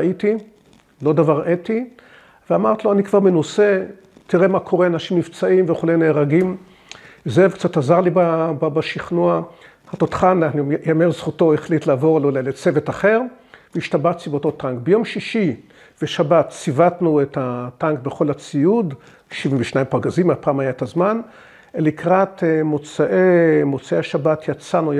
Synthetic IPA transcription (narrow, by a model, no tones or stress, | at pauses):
aʔiti | lo̞d̪avaʁʔeti | veamaʁt̪ilo̞anikv̥aʁmenuse̞ | tiʁe̞makʰo̞ʁeanaʃimnivt͡saimveχuleneːʁaɡim | zevkt͡satazaʁlibababaʃiχnua | hat̪ot̪χanaχnjameʁzχuto̞iχlitlaːvo̞ʁlolelet͡se̞vetaχeʁ | veiʃtabaχt͡sivoto̞taŋkbejo̞mʃiʃi | v̥eʃabatt͡sivatnuethataŋkbeχo̞lat͡sijud | ʃivimveʃnaimpaʁɡazimapaːmajaetazman | elikʁatemot͡saʔemot͡saeaʃabatʰjat͡sanu